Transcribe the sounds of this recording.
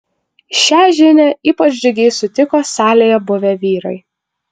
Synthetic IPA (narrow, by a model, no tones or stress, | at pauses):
ʃʲæːʒʲɪnʲɛiːpɐt͡ʃʲd͡ʒʲɪɡʲɛɪsʊt̪ʲɪkoːsɑːlʲejɛbʊʋʲɛʋʲiːɾɐɪ